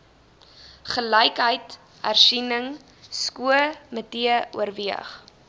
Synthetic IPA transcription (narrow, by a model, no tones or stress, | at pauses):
χələjkɦəjt | hæ̰rsinəŋ | skuəmətiəṵərviə̰χ